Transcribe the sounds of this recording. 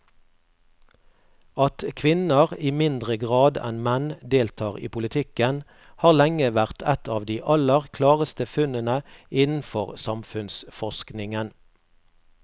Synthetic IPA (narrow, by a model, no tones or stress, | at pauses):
ɑt̪kʰʋɪnəʁiːmɪnd̪ʁəɡʁɑːd̪ɛ̰nmɛnd̪eːlt̪ʰɑːʁḭːpʰʊlɪt̪ʰɪkən | hɑːʁlɛŋəʋæʁt̪ʰɛt̪ɑːʋd̪iːʔɑləʁkʰlɑːʁəst̪əfʉnənəɪnn̩fɔʁsɑmfʉnsfɔʃknɪŋən